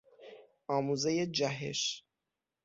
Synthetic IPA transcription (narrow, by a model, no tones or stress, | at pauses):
ɒːmuːzejed͡ʒæɦḛʃ